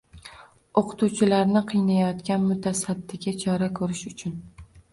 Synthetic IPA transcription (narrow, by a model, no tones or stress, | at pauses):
oqʰʊ̥t̪ʰuwt͡ʃʰɪlaɾnɪqʰɨjnajɒt̪kʲanmʊt̪ʰasad̪ːɪɡʲat͡ʃʰɒɾakʰɵɾɪʃʊt͡ʃʰʊn